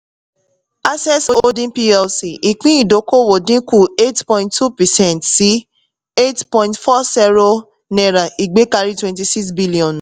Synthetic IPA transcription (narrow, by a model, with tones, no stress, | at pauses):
a˦sɛ˦so˦o˦dĩ˦pi˦ɛ˧lsi˨ʔi˨k͡pĩ˦i˦˨do˨˦ko˦wo˨dĩ˦ku˦˨e˦tpɔ̃˦ĩ˦nttːu˦pɛ˨sɛ̃˦˨ntsi˨˦ | e˦tpɔ̃˧ĩntfɔ˦sɛ˦ɾo˦ | nɛ̃˨ɾa˨i˨ɡ͡be˨˦ka˧ɾi˦twɛ̃˧nti˧si˦ksbi˦li˨ɔ̃˨n